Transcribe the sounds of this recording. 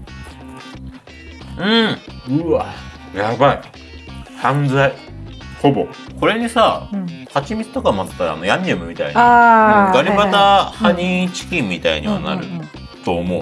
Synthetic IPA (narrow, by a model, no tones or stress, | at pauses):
ɯ̟̃ɯ̟a | jabai | hãnd͡zai | ho̞bo̞̰ko̞ɾe̞ɲ̟isahat͡ɕimʲit͡sɨ̥t̪o̞kamat̪t̪ːaɾa̰a̰no̞jãɲːʲemɯ̟mʲit̪a̰in | ɡaɾʲibat̪ahaɲit͡ɕi̥kʲĩmʲːit̪a̰ḭɲ̟iβa̰na̰ɾɯ̟̰ | t̪o̞ːmo̞